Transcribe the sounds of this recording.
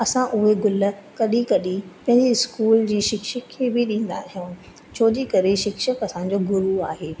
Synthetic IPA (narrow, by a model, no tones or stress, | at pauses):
ɐsãʔʊɦeɡʊlə̆kɐɗikɐɗipɐ̃ɦɪ̃ɲd͡ʑiɪskuːld͡ʑiːʃɪkʃəkʰːeːbɪɗĩːn̆d̪a̰ːɦijũː | t͡ɕʰoːd͡ʑikɐɾeʃɪkʃəkɐsãːɲ̆d͡ʑoːɡʊɾuaːɦeː